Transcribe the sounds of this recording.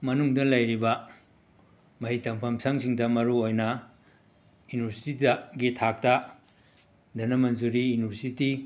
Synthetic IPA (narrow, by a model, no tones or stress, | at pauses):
mɐnuŋdɐlɐjɾibɐ | mɐhitɐmpʰɐmsaŋsiŋdɐmɐɾuojnɐ | juniβɐɾsi̥tidɐɡitʰak̚tɐ | dɐnɐmɐnzuɾijunibɐɾsiti